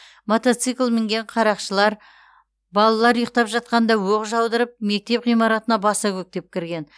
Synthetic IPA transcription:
mot̪ot̪sɨklˠmɪŋɡʲe̞ɴqʰɑɾɑqʃəlˠɑɾ | bɑlˠɑlˠɑɾujəq̚t̪ɑpʒɑt̪̚qɑnd̪ɑwoqʒɑwd̪əɾəp̚me̞k̚t̪e̞pʁijmɑɾɑt̪ənɑbɑsɑkʲʰɵk̚t̪e̞p̚kʲʰɪɾɡʲe̞n

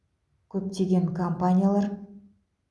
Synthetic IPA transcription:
kʲʰɵp̚t̪e̞ɡʲe̞ŋkʰompanʲijalˠɑɾ

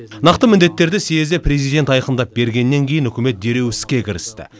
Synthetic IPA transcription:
nɑqt̪əmɪnd̪e̞t̪ːe̞ɾd̪ɪsejezd̪epʰre̞zijd̪e̞nt̪ɑjqəmd̪ɑp̚be̞ɾɡʲe̞nːe̞ŋkʲʰe̞jɪnɵkʲɪme̞t̪̚d̪e̞ɾe̞wɪsɪzkʲe̞kʲʰɪɾɪst̪ɪ̰

